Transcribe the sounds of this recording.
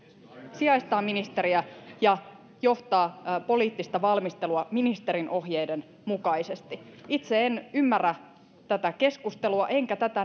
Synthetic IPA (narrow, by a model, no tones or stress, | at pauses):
siɑjst̪ɑːminist̪e̞ɾiæjɑ | jo̞ht̪ɑːpo̞liːt̪ːist̪ɑʋɑlmist̪e̞luɑminist̪e̞ɾinʔo̞ɦjejden | mukɑjse̞st̪iit̪se̞enymːærːæ | t̪æt̪æke̞skust̪e̞luɑʔe̞ŋkæt̪æt̪æ